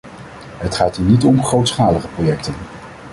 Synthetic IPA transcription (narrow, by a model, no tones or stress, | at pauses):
ɦətχaːtɦiːnitɔmχrowtsχaːləχəprojɛktən